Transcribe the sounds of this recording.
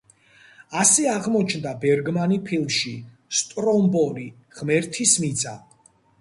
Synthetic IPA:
asɛaʁmɔt͡ʃʰnd̪abɛɾɡmanipʰilˠmʃi | st̪ʼɾɔmbɔli | ʁmɛɾt̪ʰismid̪zʼa

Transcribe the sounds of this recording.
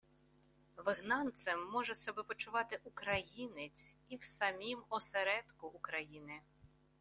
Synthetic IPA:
ʋɪɦnɑnt̪sɛmːɔʒɛsɐbɛpɔt͡ʃʊʋɑt̪ɪʔukɾɐjinɪt͡sʲiwsɐmʲimɔseɾɛd̪kʊʔːkɾɐjinɪ

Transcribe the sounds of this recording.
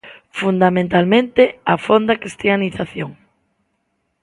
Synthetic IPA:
fund̪amẽnt̪almẽnt̪eafond̪akɾist̪ianiθaθjoŋ

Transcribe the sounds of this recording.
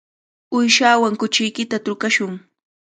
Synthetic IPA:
ʊjʃaːwaŋkʊt͡ʃɪjkɪt̪at̪ʊkaʃʊŋ

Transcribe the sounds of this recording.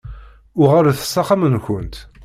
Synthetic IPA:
ʊʁaɾθə̥sːɑqamənçənt̪

